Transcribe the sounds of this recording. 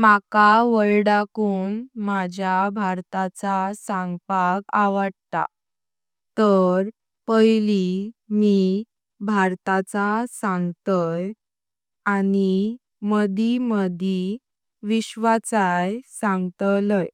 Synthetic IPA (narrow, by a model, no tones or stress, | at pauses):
makaʋəɭɽakuːnmad͡ʑʱjabʱaɾt̪at͡sasãŋɡpaɡaʋəɽt̪a̰ | t̪əɾ | pəjlimi | bʱaɾt̪at͡sasãŋɡt̪əj | ani | məd̪ʱiməd̪ʱi | ʋiɕʋat͡sajsãŋɡt̪ələj